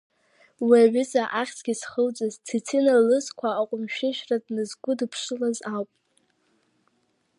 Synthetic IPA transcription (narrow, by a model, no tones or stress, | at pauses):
wiaɥʏzʼaʔaχʲsʰɡ̥ʲisχəlt͡sʼaztʰit͡sʰinalɨzkʷʰaːqʷʼʊmʃᶣɪʃᶣradnɨzɡʷʊdpʰʂʷɨlazawpʼ